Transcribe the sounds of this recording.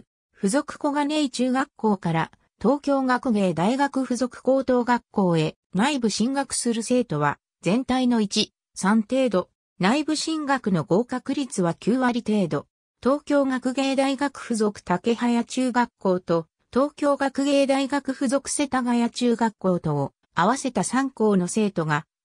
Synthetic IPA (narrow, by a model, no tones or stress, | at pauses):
ɸɯ̟zo̞kɯ̟̥ko̞ɡane̞it͡ɕɨːɡakːo̞ːkaɾa | t̪o̞ːkʲo̞ːɡakɯ̟ɡe̞ːd̪aiɡakɯ̟ɸɯ̟zo̞kɯ̟̥ko̞ːt̪o̞ːɡakːo̞ːe̞ | naibɯ̟ɕĩŋɡakɯ̟̥sɨɾɯ̟se̞ːt̪o̞βa̰ | zẽ̞nt̪aino̞it͡ɕi | sãnt̪e̞ːd̪o̞ | naibɯ̟ɕĩŋɡakɯ̟no̞ɡo̞ːkakɯ̟ɾʲit͡sɨβakʲɨːβaɾʲit̪e̞ːd̪o̞ | t̪o̞ːkʲo̞ːɡakɯ̟ɡe̞ːd̪aiɡakɯ̟̥ɸɯ̟zo̞kɯ̥t̪ake̞hajat͡ɕɨːɡakːo̞ːt̪o̞ | t̪o̞ːkʲo̞ːɡakɯ̟ɡe̞ːd̪aiɡakɯ̟ɸɯ̟zo̞kɯ̟̥se̞t̪aɡajat͡ɕɨːɡakːo̞ːt̪o̞ː | aβase̞t̪asãŋko̞ːno̞se̞ːt̪o̞ɡa